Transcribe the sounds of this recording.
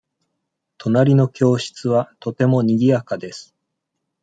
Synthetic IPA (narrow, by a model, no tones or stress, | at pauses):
t̪ʰo̞naɾʲino̞kʲo̞ːɕi̥t͡sɨβat̪o̞t̪e̞mo̞ɲ̟iɡʲiakad̪e̞sɨ̥